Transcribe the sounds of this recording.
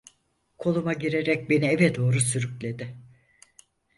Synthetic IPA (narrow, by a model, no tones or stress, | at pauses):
kʰo̞lˠumaɟiɾeɾɛc̚be̞nievɛd̪o̞ːɾusyɾyclʲe̞d̪ɪ